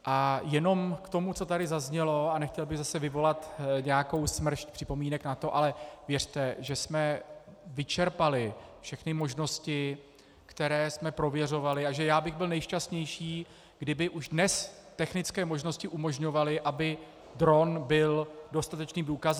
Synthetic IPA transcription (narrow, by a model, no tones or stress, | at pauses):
ʔajɛno̞mkt̪o̞mut͡so̞t̪adɪzazɲɛlo̞anɛxcɛlbɪɣzasɛvɪvo̞lat̪ɲɛjako̞wsmr̩ʃc̚pr̝̥ɪpo̞miːnɛknat̪o̞ʔalɛvjɛr̝̥t̪ɛʒɛsmɛvɪt͡ʃɛɾpalɪfʃɛxnɪmo̞ʒno̞scɪ | kt̪ɛɾɛːsmɛpɾo̞vjɛr̝o̞valɪaʒɛjaːbɪɣbɪlnɛjʃcast̪ɲɛjʃiː | ɡ̥dɪbɪʔuʒdnɛst̪ɛxnɪt͡skɛːmo̞ʒno̞scɪʔumo̞ʒɲo̞valɪʔabɪ | d̪ɾo̞nbɪldo̞st̪at̪ɛt͡ʃniːmduːkaz